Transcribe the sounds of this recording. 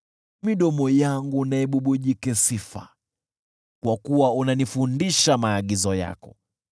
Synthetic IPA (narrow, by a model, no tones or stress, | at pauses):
miɗɔmɔjaŋɡunaɛɓuɓuʄikɛsifa̰ | kwakuwaunanifundiʃamaːɠizɔja̰kɔ̰